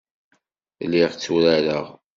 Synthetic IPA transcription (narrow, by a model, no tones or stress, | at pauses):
lːiʁt͡sːuɾæɾəʁ